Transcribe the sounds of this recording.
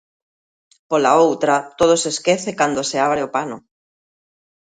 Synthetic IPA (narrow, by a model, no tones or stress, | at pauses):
polaowt̪ɾat̪oð̞oseskeθekand̪oseaβ̞ɾeopano